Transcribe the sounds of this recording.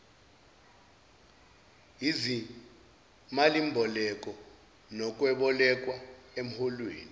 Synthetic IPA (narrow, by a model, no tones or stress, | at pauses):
ɦizi | malimbʱɔlɛk̬ʼɔ | nɔk̬ʼwɛɓɔlɛk̬ʼwaem̩hɔlwḛːni